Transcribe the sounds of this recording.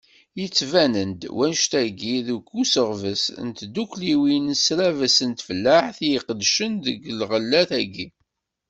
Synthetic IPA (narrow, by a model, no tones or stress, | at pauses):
jət͡sːvænənd̪wænʃt̪æɡiðuɡːusəʁvəsnt̪d̪ukliwinsɾævəsənt̪flːaħθjiqəd̪ʃənðəɡlʁəlːæθæɡi